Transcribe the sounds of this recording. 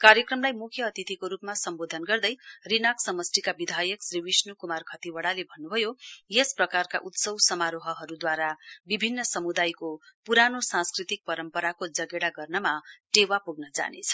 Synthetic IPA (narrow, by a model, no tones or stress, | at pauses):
kaɾjʌkrʌmlajmukʰjʌːt̪it̪ikoɾupmasʌmbod̪ʱʌnɡʌrd̪ʌjrinaksʌmʌsʈikabid̪ʱajʌksriwisnukumarkʰʌt̪iwʌɽalebʱʌnːubʱʌjojesprʌkarkaʔut̪sʌwsʌmaɾoɦʌɦʌɾud̪waɾabibʱinːʌsʌmud̪ajkopuɾanosãnskrit̪ik̚pʌɾʌmpʌɾakod͡zʌɡeɽaɡʌrnʌmaʈewapuɡnʌd͡za̰nḛt͡sʰʌ̥